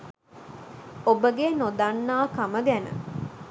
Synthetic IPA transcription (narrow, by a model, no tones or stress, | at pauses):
obəɡenod̪anːaːkaməɡænə̰